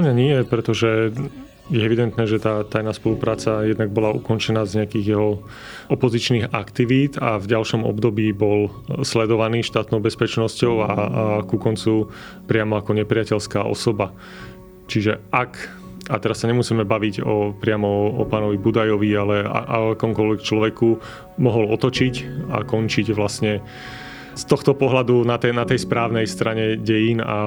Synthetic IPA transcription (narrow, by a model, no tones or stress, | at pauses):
amɲaɲɪɛjɛpɾɛt̪ɔʒɛ | jɛɛʋid̪ɛnt̪nɛːʒɛt̪aːt̪ajnaːspɔlupɾaːt͡sajɛd̪naɡ̚bɔlaṵkɔnt͡ʃɛnaːzɲɛakiːɣjɛɦɔ | ɔpɔzit͡ʃniːɣa̰kt̪iʋiːt̪avɟalʃɔmɔ̰bd̪ɔbiːbɔl | slɛd̪ɔʋaniːʃt̪aːt̪nɔʊbɛspɛt͡ʃnɔscɔʊakukɔnt͡su | pɾɪamɔakɔɲɛpɾɪacɛʎskaːʔɔ̰sɔba | t͡ʃiʒɛʔak | at̪ɛɾasːaɲɛmusiːmɛbaʋiɟɔpɾɪamɔɔpaːnɔʋibud̪ajɔʋialɛa̰ʔaakɔmkɔlʋɛkt͡ʃlɔʋɛku | mɔɦɔlɔt̪ɔt͡ʃica̰kɔnt͡ʃiɟʋlasɲɛ | st̪ɔxt̪ɔpɔɦlad̪unat̪ɛnat̪ɛjspɾaːʊnɛjst̪ɾaɲɛɟɛjina̰